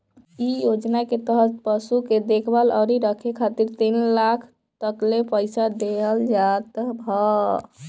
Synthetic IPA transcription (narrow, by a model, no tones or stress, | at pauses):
ijod͡ʒnaket̪əɦət̪pəsuked̪ekʰbalɔɾiɾəkʰekʰat̪iɾt̪inlakʰ | t̪əklepəɪsad̪eɦəld͡ʒat̪bʱə